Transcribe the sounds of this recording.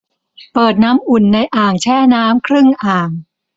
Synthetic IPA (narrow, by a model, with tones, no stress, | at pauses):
pɤː˨˩t̪̚naː˦˥mʔu˨˩nːa˧jʔaː˨˩ŋt͡ɕʰɛː˥˩naː˦˥mkʰɾɯ˥˩ŋʔaː˨˩ŋ